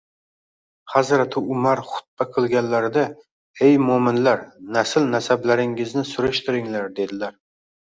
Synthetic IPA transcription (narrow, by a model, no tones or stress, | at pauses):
hazɾat̪ʰɪʊmaɾχʊ̥t̪̚baqʰɨlˠɡʲanlaɾd̪a | ejmomɪnlaɾnasɪlnasablaɾɪŋɪznɪsʊɾɪʃt̪ʰɪɾɪŋlaɾd̪e̞d̪ɪlaɾ